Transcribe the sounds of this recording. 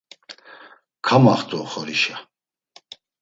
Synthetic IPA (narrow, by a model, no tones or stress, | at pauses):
kʰamaχt̪ʼuχɔɾiʃa